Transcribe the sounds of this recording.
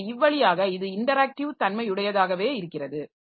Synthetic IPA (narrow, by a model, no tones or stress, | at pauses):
ɪʋːɐɭɪjaːɣɐɪðɯɪɳɖɐɾaːk̚ʈɪʋɯt̪ɐnmɐɪʊɽɐjɐðaːɣɐʋeːɪɾɯkːɪrɐðɯ